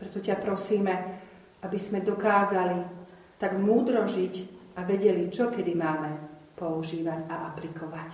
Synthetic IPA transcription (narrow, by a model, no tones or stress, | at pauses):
pɾɛt̪ɔcapɾɔsiːmɛ | abizmɛd̪ɔkaːzali | t̪aɡmuːd̪ɾɔʒicaʋɛɟɛlit͡ʃɔkɛd̪imaːmɛ | pɔuʒiːʋaɟaʔaplikʰɔʋac